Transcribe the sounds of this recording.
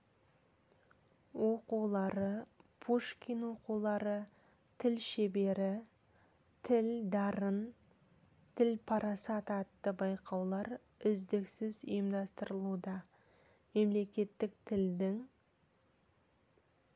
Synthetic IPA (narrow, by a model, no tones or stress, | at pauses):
wo̞quwlˠɑɾəpʰoʃkʲinwo̞qulˠɑɾə | t̪ʰɪlʃebe̞ɾɪ | t̪ʰɪld̪ɑɾən | t̪ʰɪlpʰɑɾʔɑsɑt̪ɑt̪ːəbɑjqɑwlˠɑɾ | ʏzd̪ɪksɪzə̰jəmd̪ɑst̪əɾəlˠud̪ɑ | me̞mle̞kʲe̞t̪ːɪk̚t̪ʰɪld̪ɪŋ